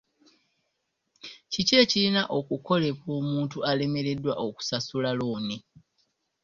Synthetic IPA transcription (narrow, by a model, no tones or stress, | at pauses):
cice̞ːcilinaʔo̞kuko̞le̞βumuːntuale̞me̞ɾe̞dwa̰ʔoku̥sasulalo̞ːni